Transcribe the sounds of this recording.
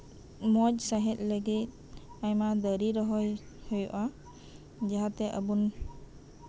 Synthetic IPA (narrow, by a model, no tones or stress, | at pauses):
mɔc̚saɦɛt̪̚ˀləɡit̪̚ | ajmad̪əɾiɾɔɦɔj | hujɔʔa | d͡ʒaɦat̪ɛʔəbun